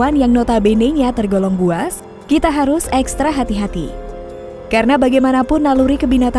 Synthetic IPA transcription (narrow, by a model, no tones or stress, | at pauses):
anjaŋnɔt̪abeneɲat̪ərɡolɔŋbuas | kit̪aɦaɾʊsɛkst̪ɾaɦat̪iɦat̪ḭ | kaɾənabaɡajmanapʊnːaluɾikəbinat̪a